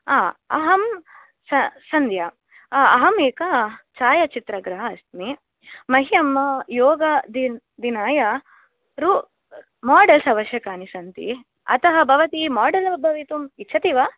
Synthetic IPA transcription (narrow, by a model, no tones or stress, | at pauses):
aːɐ̰ɦɐm | sɐsɐnd̪ja | ɐɦɐmeːkɐt͡ʃaːjɐt͡ʃit̪ɾɐɡɾɐɦɐɐst̪mi | mɐɦijɐmːɐjoːɡɐd̪i | d̪inaːjɐ | ɾu | maːɖɐlsɐʋɐʃjɐkaːnisɐnt̪ḭ | ɐ̰t̪ɐɦɐbʱɐʋɐt̪imaːɖɐlɐbʱɐʋit̪umitːʃʰɐt̪iʋɐ